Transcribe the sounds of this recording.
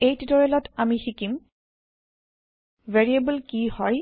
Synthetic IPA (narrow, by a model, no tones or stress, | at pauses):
ejtitɔɹɛlɔtamixikim | vɛɹiebəlkihɔɹ